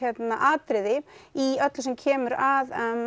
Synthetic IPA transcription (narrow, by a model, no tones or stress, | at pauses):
ɛt̪naʔaːt̪ɾɪðɪiœt̪lsɛmcʰɛːmʏɾaðɛn